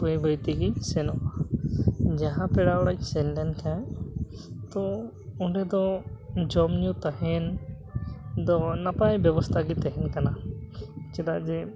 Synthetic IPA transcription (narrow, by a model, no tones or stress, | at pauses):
pəjbʱəjt̪iɡisɛnɔ | d͡ʒaɦãpɛɽaɽat͡ʃsɛnlɛnkʰãj | t̪ɔ | uɳɖɛd̪ɔd͡ʒɔmnut̪aɦɛn | d̪ɔnapajbjɔbɔst̪ʰaɡit̪aɦɛnkana | t͡ʃɛd̪aʔd͡ʒɛ